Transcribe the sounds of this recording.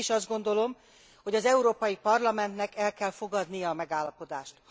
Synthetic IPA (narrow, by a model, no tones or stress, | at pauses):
ʃɒzd̪ɡo̞nd̪o̞lo̞m | ho̞ɟɒzɛuɾoːpɒjipɒrlɒmɛnt̪nɛkɛlkɛlfo̞ɡɒd̪nijɒːmɛɡaːlːɒpo̞d̪aːʃt̪h